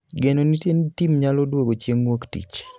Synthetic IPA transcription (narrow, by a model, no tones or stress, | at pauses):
ɡenonitenitimɲalodwoɡot͡ʃjeŋwoktḭt͡ʃ